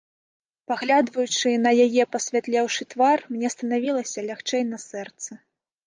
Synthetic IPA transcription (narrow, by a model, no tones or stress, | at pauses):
paɣlʲad̪vɐjut͡ʂɨnɐjajɛpɐsʲvʲat̪lʲɛwʂɨt̪varmnʲɛst̪ɐnavʲilˠɐsʲɐlʲaxt͡ʂɛjnɐsɛrt̪sɐ